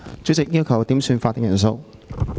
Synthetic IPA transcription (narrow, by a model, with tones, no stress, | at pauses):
t͡sy˨˥t͡sɪ˨k̚jiː˥wkʰɐ˨˩wt̪iː˨˥msyː˧nfaː˧t̪̚ːɪ˨ŋjɐ˨˩ns̬o˧w